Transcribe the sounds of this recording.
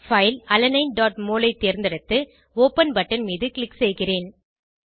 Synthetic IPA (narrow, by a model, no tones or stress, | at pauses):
fɐɪlɐlɐnɐɪnɖaːʈ̚moːlɐɪt̪ːeːɾnd̪ɐɽɐt̪ːɯ | oːpɐnbɐʈːɐnmiːðɯkɪlɪksɛjɣɪreːn